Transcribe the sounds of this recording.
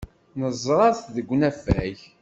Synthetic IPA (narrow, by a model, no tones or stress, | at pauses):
nəzˤɾˤɑθðəɡʷːnæfæç